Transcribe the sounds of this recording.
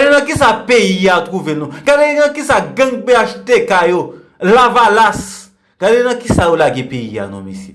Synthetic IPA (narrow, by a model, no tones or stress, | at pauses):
enãkisapejijatukuvenũɡadenãkisaɡãŋɡ͡beaʃitekajo | lavalas | ɡ̥alenãkisajolaɡepejḭa̰nõ̰mḭsḭ